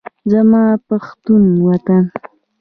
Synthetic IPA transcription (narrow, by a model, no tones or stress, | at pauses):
zamaːpaχt̪ʊnwat̪an